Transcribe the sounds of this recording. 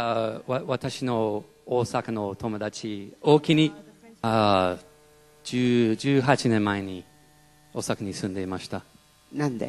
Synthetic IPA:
aaβat̪aɕino̞ | oːsakano̞t̪o̞mo̞d̪at͡ɕio̞ːkʲiɲ̟ia | d͡ʑɨːd͡ʑɨːɦat͡ɕinẽ̞mːae̞ɲ̟i | o̞ːsakaɲ̟isɨ̃nd̪e̞imaɕi̥t̪a | nãnd̪e

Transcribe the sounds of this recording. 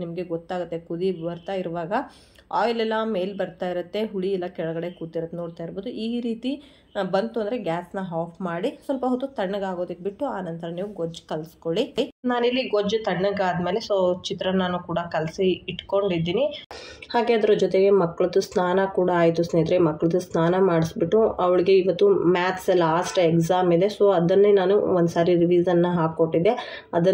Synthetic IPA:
nimɐɡe̞ɡɔt̪ːaːɡɐt̪ːe̞kud̪ibɐɾt̪aːjiɾʋaːɡɐ | aːjlɛlːɐme̞ːjlbɐɾt̪aːjiɾɐt̪ːe̞ɦuɽiɛlːɐkɛɭɐɡɐɽe̞kuːt̪ːiɾɐt̪ːenoːɽt̪aːjiɾboːd̪uʔiːɾiːt̪i | bɐnt̪uɐnd̪ɾeɡʲaːsnɐɦaːpʰmaːɽisɐlpɐɦot̪ːut̪ɐɳːɐɡaːɡo̞ːd̪ɐkːebiʈːuaːnɐnt̪ɐɾɐniːʋuɡod͡ʒːkɐlskoɭiinaːnilːiɡod͡ʒt̪ɐɳːɐɡaːd̪meːle̞soːt͡ʃit̪ɾɐnaːnukuːɽɐkɐlsiːʈko̞ɳɖid̪ːiːnihaːɡe̞ɐd̪ɐɾɐd͡ʒɔt̪̬eɡe̞mɐkːɐɭɐd̪usnaːnɐkuːɽaaːjt̪usneːt̪ɾemɐkːɐɭɐd̪usnaːnɐmaːɽisbiʈːuɐʋɐɭiɡe̞iʋɐt̪ːumaːt̪ʰsɐlaːsʈekzaːmid̪e̞so̞ːɐd̪ɐnːenaːnuond̪saːɾiɾiʋiːzɐnːɐɦaːkːoʈːid̪ːe | ɐd̪ɐ

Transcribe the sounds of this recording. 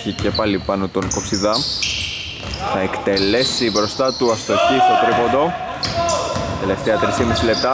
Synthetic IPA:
çice̞pɐlipɐnot̪o̞ŋko̞psiðɐ | θɐekt̪e̞le̞sibɾo̞st̪ɐt̪uɐst̪o̞çist̪okɾipond̪o̞ | t̪e̞le̞ft̪eɐt̪ɾisimisile̞p̚t̪ɐ

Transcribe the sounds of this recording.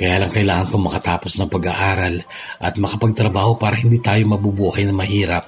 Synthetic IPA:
kɐjaːlɐŋkɐɪlaːŋɐnkoŋmɐkɐt̪aːpo̞snɐŋpɐɡaʔaːɾɐl | ʔɐt̪̚mɐkɐpɐɡ̚t̪ɾɐbaːho̞paːɾɐhɪnd̪iːt̪aːjomɐbubuːhɐjnɐmɐhiːɾɐp̚

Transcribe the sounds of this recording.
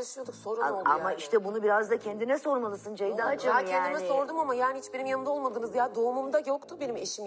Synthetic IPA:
sint̪ʰuksoɾuaa̰maiʃt̪ʰɛbunubiɾazd̪acʰɛnd̪inɛso̞ɾmalˠɯsɯnd͡ʒajd̪at͡ʃacʰenːmɛso̞ɾd̪umamajaːnɪihit͡ʃbeɾimjanɯnd̪aolˠmad̪ɯːnɯzjad̪oːmumd̪ajo̞kt̪ʰubenime̞ʃim

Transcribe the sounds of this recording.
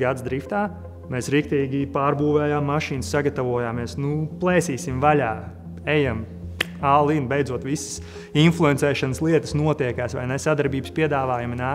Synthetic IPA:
ɡad̪sd̪ɾift̪aː | meːsɾik̚t̪iːɡʲipaːɾbuːvɛːjaːmːaʃiːnsːaɡat̪aʋuɔjaːmːɛːsnuplˠɛːsiːsimvalʲaː | ejam | aːlˠinbejd̪zuɔt̪ʋisə̥s | inflˠuɛnt̪sɛːʃanəslˠiɛt̪əsnuɔt̪iɛkaːsʋa̰jnɛsad̪aɾbiːbə̥spʲiɛd̪aːʋaːjuminaː

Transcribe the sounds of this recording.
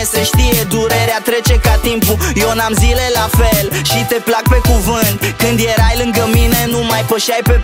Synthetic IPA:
seʃt̪ijed̪uɾe̞ɾeat̪ɾe̞t͡ʃe̞kat̪impujonamzilelafelʃit̪e̞plak̚pe̞kuvɨnt̪kɨnd̪je̞ɾajlɨŋɡəmine̞numajpəʃajpe̞

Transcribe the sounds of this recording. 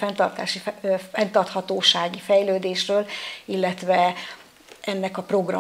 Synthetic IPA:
fɛnt̪ɒrt̪a̰ːʃiɛnt̪ɒrt̪hɒt̪oːʃaːɡifɛjløːd̪eːʃrøːlilːɛt̪ʋɛ | ɛnːɛkɒpro̞ɡrɒ̰

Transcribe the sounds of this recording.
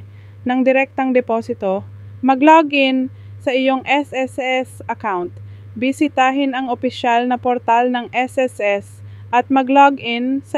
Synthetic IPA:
nɐŋd̪ɪɾɛk̚t̪ɐŋd̪ɛpoːsɪt̪o̞ | mɐɡloɡʔɪn | sɐʔɪjo̞ŋʔɛsʔɛsɛsʔɐkawnt̪̚ | bɪsɪt̪aːɦɪnɐŋopɪʃalnɐpoɾt̪alnɐŋʔɛsʔɛsʔɛs | ʔɐt̪̚mɐɡloɡʔɪnsɐ

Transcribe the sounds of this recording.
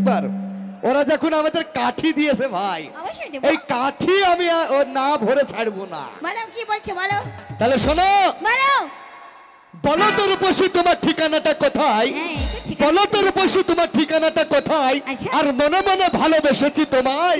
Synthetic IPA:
baɾoɾad͡ʑɛkʰunamad̪eɾkaʈʰid̪ijet͡ɕʰebʱajejkaʈʰiamianabʱoɾet͡ɕʰaɽbona̰blkibolt͡ɕʰebʱalot̪aleʃonobno | bɔlot̪oɾpoʃit̪omaɾʈʰikanaʈakɔt̪ʰajbɔlot̪oɾpoʃit̪omaɾʈʰikanaʈakot̪ʰajʰaɾmonemonebʱalobeʃet͡ɕʰit̪oma

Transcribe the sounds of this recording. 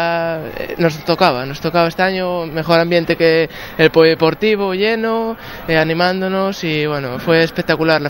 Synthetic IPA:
nost̪okaβ̞a̰nost̪okaβaest̪eaɲome̞xo̞ɾãmbje̞nt̪eke | eːlpojðepo̞ɾt̪iβ̞oʎeno | eanĩmãnd̪onosiβwenofweːspek̚t̪akulaɾla

